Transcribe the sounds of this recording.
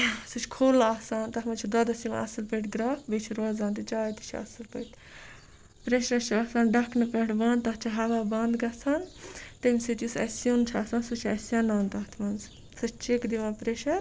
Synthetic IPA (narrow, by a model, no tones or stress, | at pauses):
sɨt͡ʃʰkʰoːlaːsaːnt̪ɐɦmɐt͡ʃʰid̪ɐd̪ɐsim̰ɐ̰sɨlpəʈʲɡɾaːfbet͡ʃʰiɾozãːnt̪ɨt͡ʃaːjt̪i̥t͡ʃʰɐ̰sɨlpɐʈʲ | pɾeːʃɐɾɐt͡ʃʰiaːsaːnɖɐkʰnɐpeʈbãːnd̪t̪ɐɦt͡ʃʰiɦɐʋaːbɐːnd̪ɡɐsaːnt̪ɐmisɨt͡ʃisɐ̰sjoːnt͡ʃʰaːsãːnsut͡ʃʰɐsjanaːnt̪ɐɦt̪ʰmɐnz | sɐt͡ʃʰt͡ʃekd̪iʋãːpɾeːʃɐɾ